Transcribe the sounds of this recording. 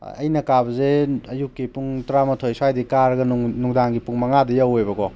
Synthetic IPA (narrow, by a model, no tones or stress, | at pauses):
ɐ̰jnɐkabɐzeɐjukːipuŋtɾamɐtʰojsuwajdikaɾɐɡɐnnuŋdaŋɡipuŋmɐŋadɐjawejbɐɡɔ